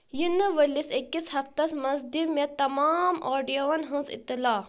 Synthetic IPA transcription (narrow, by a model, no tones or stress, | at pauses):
jinɨʋəlisekːishɐft̪ɐsmɐzd̪imʲet̪ːɐmaːmoːɖijoʋɐnɦɨ̃nzḭt̪ːilaː